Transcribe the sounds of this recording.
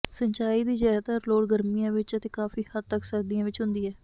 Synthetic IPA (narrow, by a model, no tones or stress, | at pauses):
səɲt͡ʃaːiːd̪iːd͡ʒɛːt̪əɾloːɽɡəɾmijãːʋɪt͡ʃət̪eːkaːfiːhəd̪̚t̪əksəɾd̪ijãːʋɪt͡ʃɦʊ̃nd̪iːɛː